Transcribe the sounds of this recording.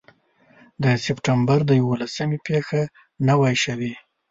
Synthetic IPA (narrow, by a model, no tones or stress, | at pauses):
d̪əsɪpʈambaɾd̪əjawolasəmepexa | nawajʃawi